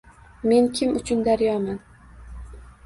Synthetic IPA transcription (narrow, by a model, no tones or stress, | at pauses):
me̞nkʲʰɪmʊt͡ʃʰʊnd̪aɾjɒman